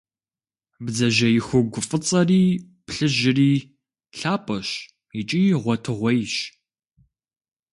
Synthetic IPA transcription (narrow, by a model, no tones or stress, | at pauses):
bzɐʒɐjɪxʷʊɡʷʊfʼɨt͡sʼɐriː | pɬɨʒɪriː | ɬaːpʼɐɕ | ɪt͡ʃʼiːʁʷɔtʰɨʁʷɔjʃ